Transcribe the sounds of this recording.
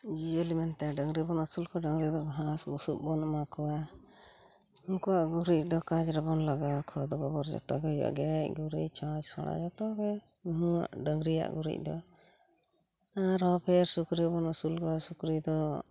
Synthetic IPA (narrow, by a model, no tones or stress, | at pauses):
d͡ʒiəlimɛnt̪ɛɖəŋɡɾibɔnusulkɔɖəŋɾid̪ɔɡɦãsɡusuʔ̚bɔnɔmakɔwa | uŋkɔwaʔɡuɾic̚ˀd̪ɔkad͡ʒɾɛbɔnlaɡakʰɔd̪ɔɡɔbɔɾd͡ʒɔ̰t̪ɔ̰ɡɛja̰ʔɡɛc̚ɡuɾḭct͡ʃãd͡ʒsɔ̰ɽa̰d͡ʒɔt̪ɔɡɛ | nuɦua̰ʔɖəŋɡɾia̰ʔɡuɾḭc̚ˀd̪ɔ | aɾɔpʰɛɾsukɾibɔnɔsulkɔasukɾid̪ɔ